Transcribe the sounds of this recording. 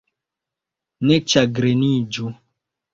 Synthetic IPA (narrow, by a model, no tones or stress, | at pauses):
nɛt͡ʃaɡɾenid͡ʒo